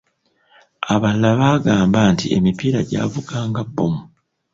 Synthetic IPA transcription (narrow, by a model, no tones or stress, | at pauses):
aβalːaβaːɡaːmbaːntie̞̰mipiɾaɟa̰ːvuɡaːŋɡabːomu